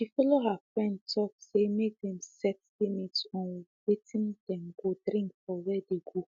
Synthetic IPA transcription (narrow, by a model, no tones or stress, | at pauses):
ʃifɔloɦafɹɛ̃ntʰɔksemek̚dɛ̃msɛtlimitsɔ̃nwetĩnd̥ɛ̃mɡodɾĩŋkfɔwɛdeɡo